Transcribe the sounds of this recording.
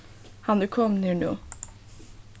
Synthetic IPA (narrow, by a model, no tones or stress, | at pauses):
hɑnd̪ʉkʰɔmniɳuː